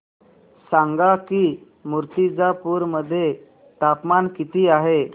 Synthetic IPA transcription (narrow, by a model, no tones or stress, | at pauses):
saŋɡaki | muɾt̪id͡zapuɾməd̪ʱːje | t̪apmankit̪iːaɦe